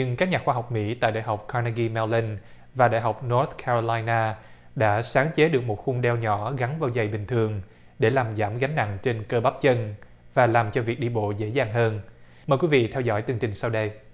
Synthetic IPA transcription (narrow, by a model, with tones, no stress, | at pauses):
ɲɨ˧ŋkaː˦˥k̚ɲaː˨˩xwaː˧ɦwk͡p̚mḭ˧˥t̪a̰ː˧˨jɗa̰ː˧˨jɦa˨˩wk͡p̚kʰa˧na˧ɣi˧mɛ˧wli˧n | vaː˨˩ɗa̰ː˧˨jɦa˨˩wk͡p̚nɔ˦˥t̪̚kʰa˧zo˧laː˧jnaː˧ | ɗa̰ː˧˥saː˨˦ŋt͡ɕe˨˦ɗɨ˨˩ək̚mo˨˩t̚xʊ˧ŋ͡mɗɛ˧wɲɔ˧˥ɣa˨˦nvaː˧˩wza˨˩jɓï˨˩ŋ̟t̪ʰɨ˨˩əŋ | ɗe˧˩laː˨˩mzaː˧˩mɣa˨˦jŋ̟na̰˧˨ŋt͡ɕe˧nkəː˧ɓa˦˥p̚t͡ɕə˧n | vaː˨˩laː˨˩mt͡ɕɔ˧vi˨˩ək̚ɗi˧ɓo̰˧˨zḛ˧˥zaː˨˩ŋɦəː˧n | məː˨˩jkwi˨˦vḭ˧˨t̪ʰɛ˧wzɔ̰˧˥jt̪ɨ˧əŋt͡ɕï˨˩ŋ̟sa˧wɗə˧j